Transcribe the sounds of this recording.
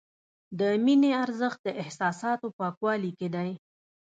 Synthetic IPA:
d̪əmineaɾzəxt̪̚d̪əʔɪhsɑsɑt̪opɑkwɑliked̪aj

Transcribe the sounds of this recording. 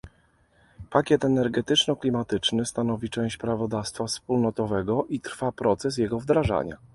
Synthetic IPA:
pakʲjɛt̪ɛnɛɾɡɛt̪ɘt͡ʂnɔklʲimat̪ɘt͡ʂnɘst̪an̪ɔvʲit͡ʂɛ̃w̃ɕt͡ɕpɾavɔd̪afst̪fafspulnɔt̪ɔvɛɡɔʔit̪ɾfapɾɔt̪sɛs̬jɛɡɔvd̪ɾaʐa̰ɲa̰

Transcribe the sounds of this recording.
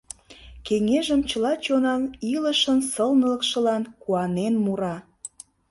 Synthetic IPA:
keŋeʒəmt͡ɕəlɑt͡ɕonɑniləʃənsəlnələkʃə̆lɑnkuɑnenmuɾɑ

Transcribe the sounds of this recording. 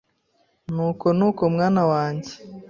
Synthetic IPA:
nuːko̞nuːko̞mŋaːnawaːɲɟe

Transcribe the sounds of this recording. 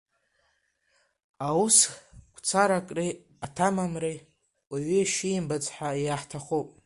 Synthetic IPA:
auskʷʰʼt͡sʰaɾakʼri | atʰamamre | waɥiʃiːmbad͡zʼħaiaħtʰaχupʼ

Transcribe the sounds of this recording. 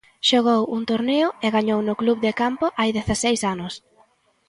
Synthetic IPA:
ʃoɣ̞owuŋt̪oɾneʊɛɣaɲownʊkluβðɪkampʊʔajðeθasejsanʊs

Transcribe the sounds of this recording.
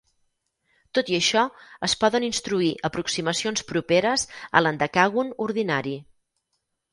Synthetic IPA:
t̪ot̪iəʃɔəspɔðəninst̪ɾuiʔəpɾuksiməsionspɾupeɾəzə̰lənd̪əkaɣunuɾðinaɾi

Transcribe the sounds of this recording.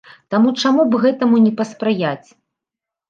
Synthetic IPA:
t̪amut͡ʂamubɣɛt̪ɐmunʲɛpɐspɾɨjat͡sʲ

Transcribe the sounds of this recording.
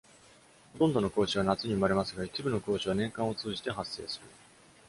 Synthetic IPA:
hot̪õ̞nd̪o̞no̞ko̞ːɕiβ̞anat͡sɨɲ̟iɯ̟maɾe̞masɨɡait͡ɕibɯ̟no̞ko̞ːɕiβanẽ̞ŋkãɰ̃o̞t͡sɨːʑi̥t̪e̞ɦasːe̞̰ːsɨɾɯ̟

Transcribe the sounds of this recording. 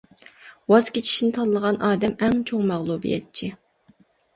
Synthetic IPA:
wɑz̥kʲet͡ʃʰi̥ʃnɪt̪ʰɑllˠəʁɑnʔɑːd̪ɛmɛŋt͡ʃʰoŋmɛʁlˠubḭjɛ̰t̪̚t͡ʃʰi

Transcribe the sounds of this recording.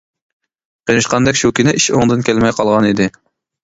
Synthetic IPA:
qʰinɨʃqɑnd̪ɛkʲʃukʲynɪʔiʃoŋd̪ɨnkʲælmɛjqʰɑlˠʁɑnid̪ɪ

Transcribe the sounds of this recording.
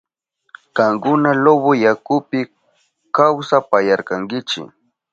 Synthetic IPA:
kaŋkʊnaloβojakʊpɪ | kawsapajaɾkaŋɡɪt͡ʃɪ̰

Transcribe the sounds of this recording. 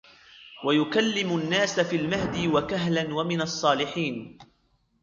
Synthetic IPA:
wajʊkalːɪmʊnːaːsafiːlmaɦd̪iːwakaɦlanwamɪnɑsˤːɑːlɪħiːn

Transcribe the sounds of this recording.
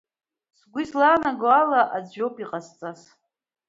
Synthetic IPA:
sɡʷizlanaɡalaʔad͡zowpʼiqʼast͡sʼas

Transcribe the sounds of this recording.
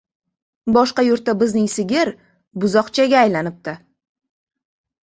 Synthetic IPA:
bɒʃqɑjʊɾt̪̚ːabɪznɪŋsɪɡʲɪɾ | bʊzɒqt͡ʃʰaɡʲaːjlanɪp̚t̪ɪ

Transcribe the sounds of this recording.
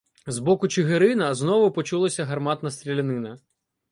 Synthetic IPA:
zbɔkʊt͡ʃɪɦeɾɪnɐznɔʋʊpɔt͡ʃulˠɐsʲɐɦɐrmɑt̪nɐst̪ɾʲilʲɐnɪnɐ

